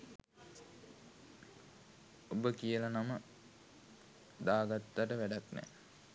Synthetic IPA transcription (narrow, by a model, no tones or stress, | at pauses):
obəkijəlanamə | d̪aːɡat̪ːaʈəʋæɖaknɛ̰